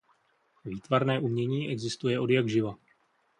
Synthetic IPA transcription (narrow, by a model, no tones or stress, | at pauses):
viːt̪vaɾnɛːʔumɲɛɲiːʔɛɡzɪst̪ujɛʔo̞djaɡʒɪva